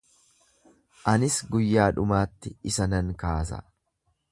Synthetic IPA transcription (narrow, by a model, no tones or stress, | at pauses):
ʔɐnɪsɡʊjːaːᶑʊmaːt̪ːɪɪsɐnɐŋkaːs̬ɐ̰